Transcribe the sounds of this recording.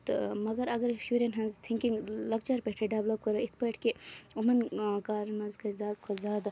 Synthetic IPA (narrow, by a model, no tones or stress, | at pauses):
t̪mɐɡɐɾɐɡɐɾsuɾenɦɐ̃nzt̪ʰiŋkiŋɡlɐk̚t͡ʃɐɾpeʈʰeɖɐʋlop̚kɐɾoit̪ʰpeʈʰkeumɐnkaːɾmɐzkɐzaːd̪kʰozaːd̪